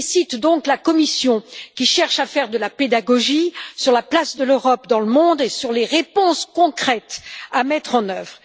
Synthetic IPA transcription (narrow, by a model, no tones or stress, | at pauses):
sit̪d̪ɔ̃klakɔmisjɔ̃kʲiʃɛʁʃafɛʁd̪əlaped̪aɡɔʒisyʁlaplasd̪əløʁɔpd̪ɑ̃ləmɔ̃d̪esyʁleʁepɔ̃skɔ̃kχɛt̪amɛt̪χɑ̃nœvʁ